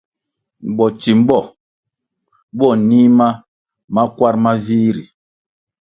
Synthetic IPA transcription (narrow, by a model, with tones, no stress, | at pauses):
m̩˨bɔ˨t͡ʃi˨m̩˦bɔ˦˨ | bɔ˦˨ni˦ma˦ | ma˦kwa˦ɾma˦viː˦ɾi˨